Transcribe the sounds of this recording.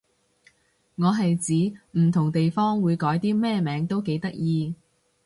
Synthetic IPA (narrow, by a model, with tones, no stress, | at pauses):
ŋɔː˨˧ɦɐ˨jt͡siː˨˥m̩˨˩t̪ʰʊ˨˩ŋt̪e˨jfɔː˥ŋwuː˨˧jkɔː˨˥jt̪iː˥mɛː˥˧mɛː˨˥ŋt̪o˥wke˨˧˥jt̪ɐ˥k̚jiː˧